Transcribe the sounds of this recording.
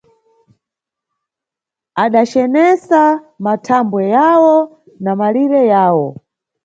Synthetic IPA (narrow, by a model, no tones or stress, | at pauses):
aɗat͡ʃɛnɛsa | matʰambwɛjawɔ | namaliɾɛjaːwɔ̰